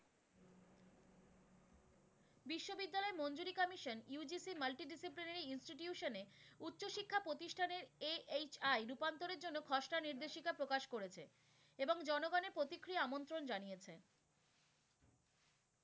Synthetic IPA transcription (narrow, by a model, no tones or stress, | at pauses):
biʃːobid̪ːalɔemond͡ʑuɾikɔmiʃonjud͡ʑisimalʈiɖisiplinaɾiinsʈiʈjuʃoneutːɕoʃikʰːapɾot̪iʃʈʰaneɾeet͡ɕajɾupant̪oɾeɾd͡ʑonːokʰɔʃʈaniɾd̪eʃikapɾokaʃkoɾet͡ɕʰḛ | eboŋd͡ʑɔnoɡɔneɾpɾot̪ikːɾijaamont̪ɾond͡ʑanijet͡ɕʰe